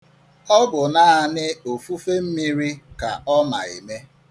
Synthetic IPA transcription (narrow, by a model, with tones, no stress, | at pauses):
ɔ˦bʊ˨naː˦a˦nɪ˦o˨fu˦fe˦m̩˦mi˦ɾi˦ka˨ɔ˦ma˨ḭ˨me˦